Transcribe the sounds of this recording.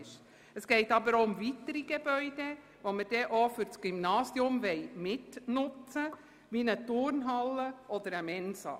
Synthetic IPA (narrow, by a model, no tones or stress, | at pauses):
ʃ | əsɡ̥ɛɪtɑbəɾoʊmvitəɾiɡebœʏde | ʋoməd̥ɛʔofʏɾt͡sɡ̥ymnɑːsiʊmʋɛɪmɪtnʊt͡sə | ʋinət̪ʊɾnɦɑlːəʔɔd̪əɾəmɛnsɑ̰